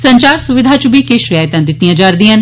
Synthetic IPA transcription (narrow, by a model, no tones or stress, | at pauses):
səɲt͡ʃaːɾsʊʋɪd̪ʱaːt͡ʃʊbʱiːkeːʃɾɪjaːɪt̪ãːd̪ɪt̪ːijãːd͡ʒaːɾd̪iːan